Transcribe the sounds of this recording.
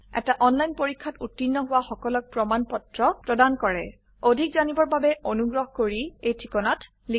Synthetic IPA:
ɛ̰taʔɔnlajnpoɹikʰːatutːinːɔɦʊwaxɔkɔlɔk̚pɹɔmanpɔtɹɔpɹɔdankɔɹɛ | odʱikzanibɔɹbabɛonuɡɹɔɦɔkoɹiejtʰikɔnat | li

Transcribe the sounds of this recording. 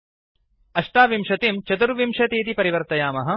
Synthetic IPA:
ɐʂʈaːʋimʂɐt̪imt͡ʃɐt̪uɾʋimʃɐt̪iːt̪ipɐɾiʋɐɾt̪ɐjaːmɐɦɐ̆

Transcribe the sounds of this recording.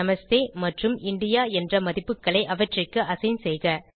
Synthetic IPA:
ɐmɐst̪eːmɐʈrɯmʔɪɳɖɪjaːɛndrɐmɐðɪpːɯkːɐɭɐɪʔɐʋɐʈrɪkːɯʔɐsɐɪnsɛjɣɐ

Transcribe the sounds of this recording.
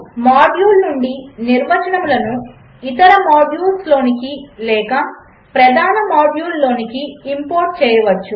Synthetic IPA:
maːɖjuːlnuɳɖiniɾʋɐt͡ʃɐɳɐmlɐnu | it̪ɐɾɐmaːɖjuːlslo̞ːnikilɛːkɐ | pɾɐd̪ʱaːnɐmaːɖjuːlːo̞ːnikiːmpoːɾʈ̚t͡ʃɛːjɐʋɐt͡ʃːu

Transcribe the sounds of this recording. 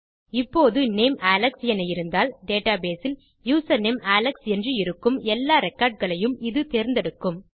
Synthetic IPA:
ɪpːoːðɯneːmaːlɐksjɛnɐjɪɾɯnd̪aːlɖeːʈaːbeːsɪl | juːsɐnemaːlɐksɛndrɯɪɾɯkːɯmɛlːaːɾɛkːaːɾɖ̚ɣɐɭɐjɯmɪðɯt̪eːɾnd̪ɛɽɯkːɯm

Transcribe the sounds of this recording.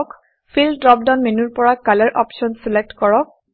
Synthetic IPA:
k | pʰildɹɔp̚danmenuɹpɔɹakalɛɹʔɔpsɔnsilek̚tkɔɹɔk̚

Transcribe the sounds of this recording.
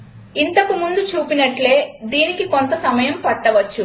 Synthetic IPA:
int̪ɐkumund̪ut͡ʃuːpinɐʈle̞ːd̪iːnikikont̪ɐsɐmɐjɐmpɐʈːɐʋɐt͡ʃːu

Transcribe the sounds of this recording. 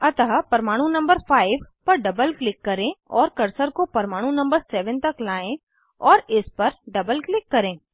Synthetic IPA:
ɐt̪əɦpɐɾmaːɽ̃ũnɐ̃mbəɾfʰaːɪʋpɐɾɖɐbəlklɪkːɐɾẽɔːɾkɐɾsəɾkopɐɾmaːɽ̃ũnɐ̃mbəɾsɛːʋənt̪ɐklaːẽ | ɔːɾɪspɐɾɖɐbəlklɪkːɐɾẽː

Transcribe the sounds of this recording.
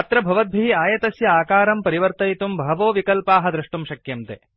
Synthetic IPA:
ɐt̪ɾɐbʱɐʋɐd̪̚bʱiɦiaːjɐt̪ɐsjɐaːkaːɾɐmpɐɾiʋɐɾt̪ɐjt̪umbʱɐʋoːʋikɐlpaːɦɐd̪ɾɐʂʈumʃɐkjɐmt̪ḛː

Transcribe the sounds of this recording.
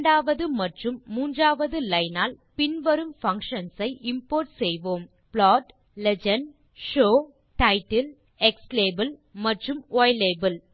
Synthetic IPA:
ɳɖaːʋɐðɯmɐʈrɯmːuːndraːʋɐðɯlɐɪnaːlpɪnʋɐɾɯmfɐŋkʂɐnsɐɪʔɪmpoːɾʈsɛjʋoːm | plɔːʈ | lɛd͡ʒɐn | ʂoː | ʈɐɪʈːɪl | ɛksleːbɐlmɐʈrɯmoːjleːbɐl

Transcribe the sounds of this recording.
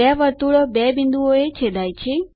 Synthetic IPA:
ɛʋəɾt̪uɭobɛbɪ̃nd̪uoet͡ʃʰed̪aːit͡ʃʰe

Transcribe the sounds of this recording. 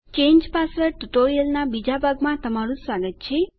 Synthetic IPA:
t͡ʃeɲd͡ʒpasəɾʈuʈoɾijəlnabid͡ʒabʱaɡmãt̪əmaɾũsʋaɡət̪̚t͡ʃʰe

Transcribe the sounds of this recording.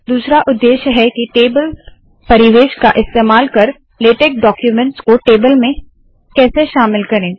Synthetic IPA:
d̪uːsɾaʔʊd̪ːeːʃjəɦɛkiʈeːbəl | pɐɾɪʋeːʃkaʔɪst̪eːmaːlkɐɾ | leːʈek̚ɖɔːkjumɛ̃ɳʈskoʈeːbəlmẽ | kɛːseʃaːmɪlkɐɾẽː

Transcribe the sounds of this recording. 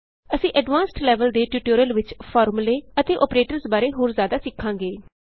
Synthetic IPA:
əsĩːʔəɖʋãːnsʈlɛːʋəld̪eːʈjuːʈoːɾiəlʋɪt͡ʃpʰɔːɾmuleːət̪eːʔɔːpɾeːʈəɾsbaːɾeːɦoːɾzjaːd̪aːsɪkʰːãːŋɡeː

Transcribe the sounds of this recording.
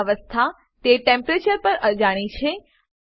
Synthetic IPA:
ʋəst̪ʰa | t̪eʈẽmpɾet͡ʃəɾpəɾəd͡ʒaɽ̃it͡ʃʰe

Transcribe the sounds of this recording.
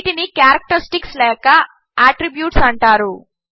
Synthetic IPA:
ʈinikjaːɾɐk̚ʈɐɾisʈikslɛːkɐ | aːʈɾibjuːʈsɐɳʈaːɾu

